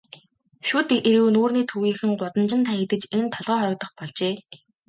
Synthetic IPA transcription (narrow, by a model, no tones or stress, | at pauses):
ʃut̪eɾɘ̆wnuːrniːt̪ʰuɣiːxɘ̆ŋɢʊt̪ə̆nt͡ɕɪ̆nt̪ʰaːxet̪ɘ̆t͡ɕent̪ʰɔɮʁœːχɔɾɞ̆k̚t̪ə̆χpɔɮt͡ɕeː